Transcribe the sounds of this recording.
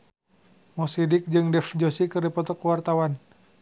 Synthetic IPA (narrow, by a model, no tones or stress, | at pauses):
mɔsidɪk̚d͡ʒɨŋdɛfd͡ʒosikɨrdipɔt̪ɔkəwart̪awan